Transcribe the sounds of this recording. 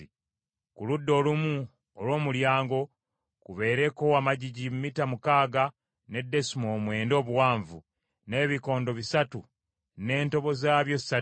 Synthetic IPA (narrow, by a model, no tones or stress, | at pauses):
i | kuludːo̞ːlumu | olwo̞ːmuljaːŋɡo̞ | kuβe̞ːɾe̞ko̞wamaɟiɟimumitamukaːɡa | ne̞dːe̞simo̞ːmwe̞ːndo̞ːβuwaːɱvṵ | ne̞ːβiko̞ːndo̞βisatu | ne̞ːnto̞βo̞zaːβjo̞sa